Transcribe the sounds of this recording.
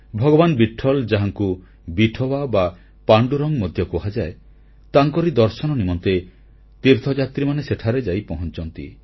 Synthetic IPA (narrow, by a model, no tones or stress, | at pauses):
bʱɔɡɔbanbiʈʰːɔld͡ʒaɦaŋku | biʈʰɔbaba | paɳɖuɾɔŋmɔd̪ʱjɔkuɦad͡ʒae | t̪aŋkɔɾid̪ɔɾsɔnɔnimɔnt̪e | t̪iɾt̪ʰɔd͡ʒat̪ɾimaneseʈʰaɾed͡ʒajpɔɦɔnt͡ʃɔnt̪ḭ